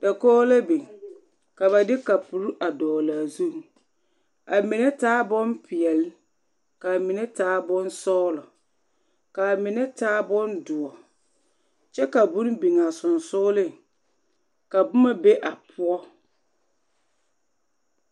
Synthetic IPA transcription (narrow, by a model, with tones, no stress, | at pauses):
da˨kɔː˦la˦bi˨ | ka˨βa˨dɪ˦ka˨pu˨ɾu˦ʔa˨dɔː˨laː˨zu˦˨ | a˨mɪ˨nɛ˦taː˦bɔ˦npʰɪ˨ɛ˨l | ka˨mɪ˨nɛ˦taː˦bɔ˦nsɔː˦lɔ˨ | ka˨mɪ˨nɛ˦taː˦bɔ˦ndʊ˨ɔ˨ | t͡ʃɛ˦ka˨bʊ˦n˦bi˨ŋa˨sʊ˨nsʊ˦lɪ˦˨ŋ | ka˨bʊ˦ma˦be˦ʔa˨pʰʊ˦ɔ˦